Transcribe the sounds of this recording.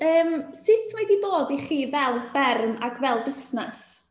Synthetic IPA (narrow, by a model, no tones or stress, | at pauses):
əːmsɪtʰmajdiboːdiχiːvɛlˠfɛrmakʰvɛlˠbɪsnɛs